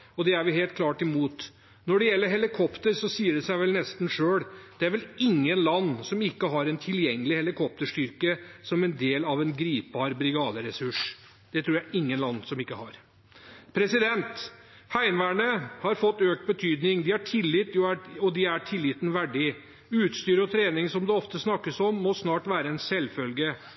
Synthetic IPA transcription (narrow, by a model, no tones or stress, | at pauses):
ɔd̪ɛæɾʋɪɦeːlt̪̚kʰlɑːʈɪmuːt̪ | nɔɖɛjɛlːəɾɦɛlɪkʰɔpt̪əɾsɔsiːəɖɛsæɪʋɛlnɛst̪n̩ʂøːɽd̪̥ɛæɾʋɛlɪŋːənlɑnːsɔmɪkːəɦɑɾɛnt̪ʰɪljɛŋːəlɪhɛlɪkʰɔp̚t̪əʂʈʏɾkəsɔmɛnd̪eːlɑʋɛnɡɾiːp̚bɑːɾbɾɪɡɑːd̪əɾɛsʉʂ | d̪̥ɛt̪ʰɾuːɾjæɪʔɪŋːənlɑnːsɔmɪkːəhɑɾ | pʰɾɛsɪd̪ɛnt̪ | hæɪnʋæːɳəhɑɾfɔt̪ːøːk̚t̪̚bət̪ʰyːd̪nɪŋd̪ɪhɑʈʰɪlːɪt̪ːjuæɔd̪ɪæʈʰɪlːɪt̪n̩ʋæɖɪ | ʉːt̪st̪yːɾəɔt̪ʰɾeːnɪŋsɔmd̪ɛɔft̪əsnɑkːəsɔmːɔsnɑːʈʋæːɾəɛnsɛlfœlɡə